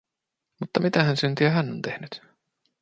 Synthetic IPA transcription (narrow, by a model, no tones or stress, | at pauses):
mut̪ːɑmit̪æɦænsynt̪iæɦænːo̰nt̪e̞hnyt̪